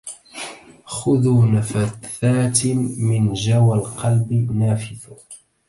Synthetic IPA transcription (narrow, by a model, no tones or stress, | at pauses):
xʊðuːnafaθaːt̪mɪnd͡ʒawalqɑlbɪnaːfɪθ